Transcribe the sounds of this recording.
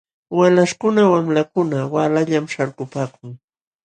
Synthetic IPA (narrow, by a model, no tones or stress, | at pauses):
walaʃkʊnawamlakʊnawalaʎamʃaɾkʊpaːkʊŋ